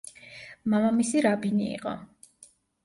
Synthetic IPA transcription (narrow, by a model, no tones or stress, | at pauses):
mamamisiɾabinḭːqʼɔ̰